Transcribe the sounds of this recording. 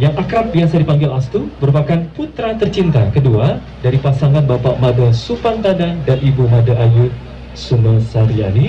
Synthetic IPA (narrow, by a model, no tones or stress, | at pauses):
jaŋakɾap̚biasadipaŋɡɪlast̪uməɾupakanput̪ɾat̪ərt͡ʃint̪akədua | daɾipasaŋanbapaʔmãdasupant̪adandanibumãdaʔaju | suməsaɾiani